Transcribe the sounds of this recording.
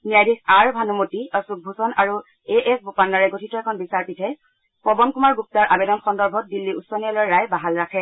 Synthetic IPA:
nijajdikaɹbʱanumotiɔsuk̚bʱusɔnaɹu | eʔɛsbupanːaɹɛɡotʰitɔɛkʰɔnbisaɹpitʰɛ | pɔbɔnkumaɹɡup̚taɹʔabedɔnxɔndɔɹbʱɔt̚dilːiusɔnijalɔjɹajbaɦalɹakʰɛ

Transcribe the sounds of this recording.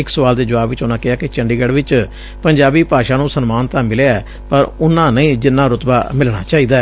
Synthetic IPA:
ɪksəʋaːld̪eːd͡ʒəʋaːbʋɪt͡ʃʊnãːkɪaːkɪt͡ʃəɳɖiːɡəɽʋɪt͡ʃ | pəɲd͡ʒaːbiːpaːʃãːnũːsənmaːnt̪ãːmɪleɛː | pəɾʊnãːnəĩːd͡ʒɪnːãːɾʊt̪baːmɪlɽ̃a̰ːt͡ʃaːiːd̪aːɛ

